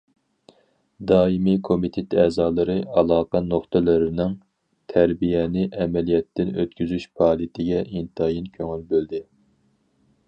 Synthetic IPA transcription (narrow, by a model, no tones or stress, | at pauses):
d̪ɑːimikʰomit̪ʰet̪ɛːzɑːlˠɨɾɨɑlˠɑːqʰɑnoχt̪ʰɨlˠɨɾɪnɪŋ | t̪ʰæɾbijɛnɪʔɛmɛlijɛt̪ːɪnø̰t̪kʲyzyʃpʰɑːlˠijɪt̪ʰɪɡʲɛʔint̪ʰɑjinkʲʰøŋylbøld̪ɪ